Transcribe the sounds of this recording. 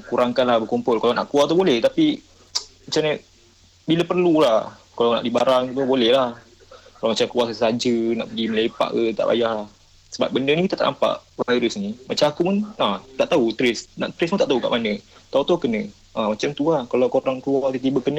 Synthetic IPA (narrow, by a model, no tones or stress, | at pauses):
kuɾaŋkanlahbəkumpʊlkalana̰ʔkluwaʔt̪ubolɛht̪api | mat͡ʃanə | biləpərlulahkalawna̰ʔdibaɾaŋt̪ubolɛhlah | kalamat͡ʃamkluaəsad͡ʒəna̰ʔpəɡiməlepa̰ʔkət̪a̰ʔba̰jahlah | səba̰p̚bəndənĩkit̪at̪a̰ʔa̰mpa̰ʔvaiɾʊsnimat͡ʃamakumʊnaht̪aʔt̪aut̪ɾɪsna̰ʔt̪ɾɪspunt̪aʔt̪auka̰ʔmanət̪aut̪uhkənə | ʔamat͡ʃamt̪ulahkalawkoɾaŋkluat̪ut̪ibəkənə